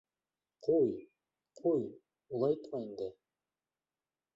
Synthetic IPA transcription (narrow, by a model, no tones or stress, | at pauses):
qʰuj | qʰuj | ulˠɑjt̪mɑind̪ɘ